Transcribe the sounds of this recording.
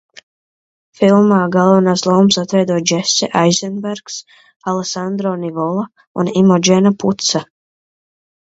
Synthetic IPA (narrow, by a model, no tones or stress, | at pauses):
filˠmaːɡalˠvnaːslˠɔːmsat̪vɛjd̪uɔd͡ʒɛsɛ̰ʔajzɛnbɛɾks | alˠesand̪ɾɔnivɔlˠa | unimɔd͡ʒɛnaput̪sa